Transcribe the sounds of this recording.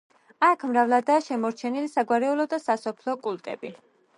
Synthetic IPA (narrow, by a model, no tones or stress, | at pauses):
akʰmɾavlˠad̪aːʃɛmɔɾt͡ʃʰɛnilisaɡwaɾɛulˠɔd̪asasɔpʰlˠɔkʼulˠt̪ʼɛ̰bi